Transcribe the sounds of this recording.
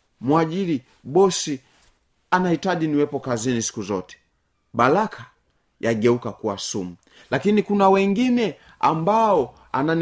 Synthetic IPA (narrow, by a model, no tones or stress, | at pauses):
mwaʄili | ɓɔsi | anahitaʄiniwɛpɔkazinisi̥kuzɔtɛ̥ | ɓalakʰa | jaɡɛukakuwasumu | lakinikunawɛŋɡinɛ | a̰mbaɔ | a̰nan